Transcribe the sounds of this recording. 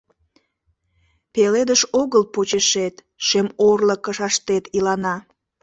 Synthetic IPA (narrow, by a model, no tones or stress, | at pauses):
peled̪əʃoɣəlpot͡ɕeʃet̪ | ʃemorləkəʃɑʃt̪et̪ilɑnɑ